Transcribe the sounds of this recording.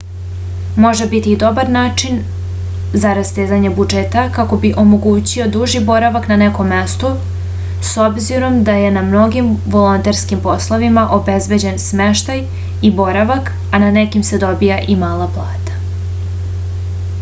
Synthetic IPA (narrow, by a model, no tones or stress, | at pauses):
mo̞ʒebit̪iːd̪o̞baɾnaːt͡ʃin | zaɾast̪eːzaɲebud͡ʒet̪akako̞biʔo̞mo̞ɡuːt͡ɕio̞d̪uʒibo̞ɾaʋaknaneko̞mːe̞st̪o | so̞bziɾo̞md̪aje̞namno̞ɡimʋo̞lo̞nt̪eɾskimpo̞slˠo̞ʋimaʔo̞be̞zbe̞d͡ʑe̞nsme̞ʃt̪aj | ibo̞ɾaʋak | ananekimse̞d̪o̞bijaʔimaːlˠaplˠaːt̪ḁ